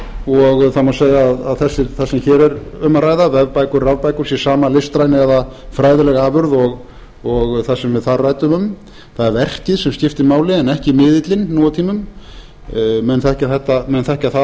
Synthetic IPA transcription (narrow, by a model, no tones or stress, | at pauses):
ɔɣθamaseːjaːðaðθɛsːɪθasɛmçɛːɾɛɾʏmaɾaːjðavɛvpajkʏɾravpajkʏɾ̥sjɛsaːmalɪst̪ɾajnɪɛðafɾaːjðɪlɛɣaaːvʏɾðɔɣ | ɔɣθasɛmvɪðθaðraːjt̪ʏmʏm | θaðɛɾvɛr̥cɪðsɛmscɪft̪ɪmaːwlɪɛnɛhcɪmɪːðɪt̪lɪnːuːwat̪ʰiːmʏm | mɛnθɛhcaθɛht̪ːamɛnθɛhcaθa